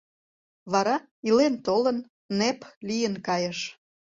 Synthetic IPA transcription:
βɑɾɑ | ilent̪olənː | eplijənkɑjəʃ

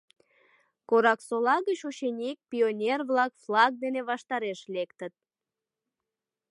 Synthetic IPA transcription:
koɾɑksolɑɣət͡ɕoɕenʲek̚pʲionʲerβlɑkflɑk̚d̪eneβɑʃt̪ɑɾeʃlekt̪ət̪̚

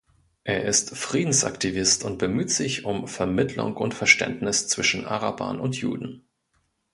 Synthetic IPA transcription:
ʔeːɐʔɪstfʁ̥iːdn̩sʔa̰ktivɪstʊnt̚b̥əmyːtz̥ɪçʊmfɛɐmɪtʰlʊ̰ŋʊ̰ntfɛɐʃtɛ̰ntnɪst͡sv̥ɪʃn̩ʔa̰ʁaba̰ːnʊntjṵːdn̩

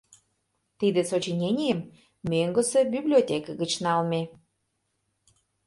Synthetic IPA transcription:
t̪id̪esot͡ɕinʲenʲijəm | møŋɡə̆sebʲiblʲiotʲekəɡət͡ɕnɑlme

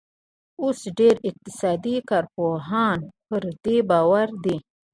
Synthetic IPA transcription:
osɖeɾɪq̚t̪ɪ̥sɑd̪ikɑɾpoɦɑnpəɾd̪ebɑwaɾd̪e

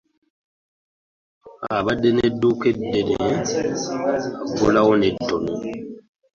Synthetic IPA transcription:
abadenedukedene | abulawɔnedɔnɔ

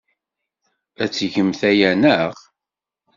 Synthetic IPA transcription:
æt͡sːʝəmθæjænəʁ

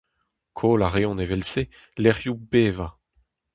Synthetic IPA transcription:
kʰoːlaʁeɔ̃nevɛlse | lɛʁjubeːva

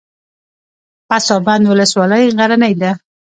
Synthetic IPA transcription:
pasɑband̪wʊləswɑləjɣaɾanəjd̪a

